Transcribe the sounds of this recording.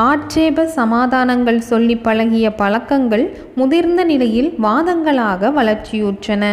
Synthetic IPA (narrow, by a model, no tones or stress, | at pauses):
aːʈt͡ʃeːbɐsɐmaːðaːnɐŋɡɐɭsɔlːɪpːɐɻɐɣɪjɐpɐɭɐkːɐŋɡɐɭ | mʊðɪɾnd̪ɐnɪlɐjɪlʋaːðɐŋɡɐɭaːɣɐʋɐɭɐɾt͡ʃɪjuːʈʈrɐnɐ